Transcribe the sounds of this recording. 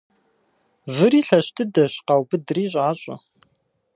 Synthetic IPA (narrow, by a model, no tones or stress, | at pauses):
vɨɾiːɬɐɕtʰɨdɐɕqɑwbɨdɨriːɕ̬ʼaːɕʼɐ̰